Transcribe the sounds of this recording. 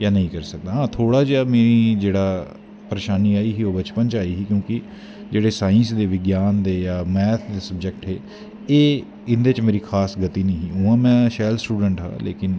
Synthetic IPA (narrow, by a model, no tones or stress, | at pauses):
jaːnəɦĩːkəɾsək̚d̪aːɦãːt̪ʰoːɽaːd͡ʒeaːmeːɾiːd͡ʒeːɽaː | pəɾeːʃaːniːaːiːɦiːoːbət͡ʃpənt͡ʃaːiːɦiːkjõːkɪ | d͡ʒeːɽeːsaːɪ̃nsd̪eːʋɪɡjaːnd̪eːjaːmɛːt̪ʰd̪eːsəbd͡ʒək̚ʈɦeː | eː | ɪnd̪et͡ʃmeːɾiːkʰaːsɡət̪iːnĩːɦiːũːãːmɛ̃ːʃɛːlsʈuːɖəɳʈɦa̰ːlḛːkɪn